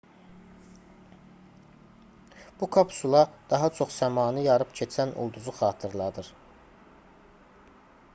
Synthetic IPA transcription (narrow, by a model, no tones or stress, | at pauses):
b̥ukʰɑpʰsulˠɑd̪ɑɦɑt͡ʃʰo̞χsæmɑːnɯjɑɾɯpcʰet͡ʃʰænṵlˠd̪uzuχɑːt̪ʰɯɾlˠɑd̪ɯɾ